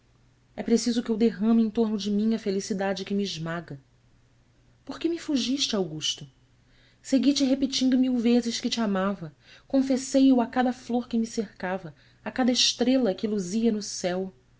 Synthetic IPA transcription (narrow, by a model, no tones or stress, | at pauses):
ɛpɾesizʊkɪewd̪eɦɐ̃mẽj̃t̪oɾnʊd͡ʒɪmĩɲɐfelisid̪ad͡ʒɪkɪmiːʒmaɡɐ | poɾkɪmɪfuʒiʃt͡ʃawɡuʃt̪ʊ | seɡit͡ʃɪɦepit͡ʃĩnd̪ʊmiwvezɪʃkɪt͡ʃiamavɐ | kõfesejʊakad̪ɐfloɾkɪmɪsehkavɐ | akad̪ɐɪʃt̪ɾelɐkɪluziɐnʊsɛw